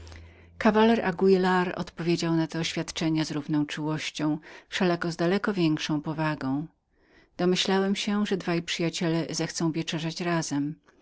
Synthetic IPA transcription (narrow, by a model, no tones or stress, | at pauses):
kavalɛɾa̰ɡuilaɾɔ̰t̪pɔvʲjed͡ʑawnat̪ɛːɕfʲjat̪t͡ʂɛɲazɾuvnɔ̃w̃t͡ʂuwɔɕt͡ɕɔ̃w̃fʂɛlakɔzd̪alɛkɔvʲjɛŋkʂɔ̃w̃pɔvaɡɔ̃w̃ | d̪̥ɔmɘɕlawɛmɕɛʐɛd̪vajipʂɘjat͡ɕɛlɛzɛxt̪sɔ̃w̃vʲjɛt͡ʂɛʐat͡ɕɾazɛm